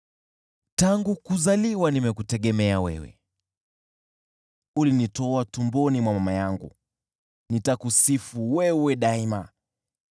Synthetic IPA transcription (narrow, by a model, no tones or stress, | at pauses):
taŋɡukuzaliwanimɛkutɛɠɛmɛawɛ̰wɛ̰ | ulinitɔatumbɔnimwamamajaŋɡṵ | nitakusifuwɛwɛɗaima